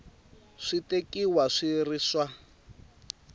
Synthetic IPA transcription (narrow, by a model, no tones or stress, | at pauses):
ʂitekʼiwaʂiriːswa